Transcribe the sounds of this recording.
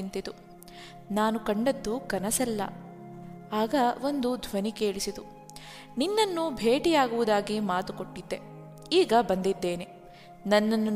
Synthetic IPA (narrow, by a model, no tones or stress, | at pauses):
nt̪id̪u | naːnukɐɳɖɐd̪ːukɐnɐsɐlːɐ̰ | aːɡɐo̞nd̪ud̪ʱʋɐnikeːɭisid̪u | ninːɐnːubʱeːʈijaːɡuʋud̪aːɡimaːt̪ukoʈːid̪ːe̞ | iːɡɐbɐnd̪id̪ːe̞ːne | nɐnːɐnːu